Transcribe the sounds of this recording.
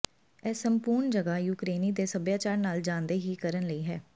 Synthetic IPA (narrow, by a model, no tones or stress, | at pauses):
ɛːsəmpuːɾɳd͡ʒəɡaːjuːkɾeːniːd̪eːsəbjaːt͡ʃaːɾnaːld͡ʒãːnd̪eːɦiːkəɾənləiːɦɛː